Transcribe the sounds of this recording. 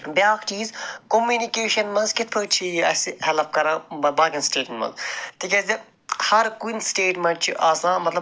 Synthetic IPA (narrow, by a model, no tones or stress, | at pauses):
bjaːkt͡ʃiːzkomjuːnikeːʃɐnmɐnzkit̪̚ʰpʰəːt͡ʃʰijɐsihɛlɐp̚kɐɾɐ̃ːbɐbaːkinsʈeːʈmenmɐ̰nzt̪ikʲɐzi | hɐɾkunsʈeːʈmɐnt͡ʃʰiʔaːsãːmɐt̪lɐ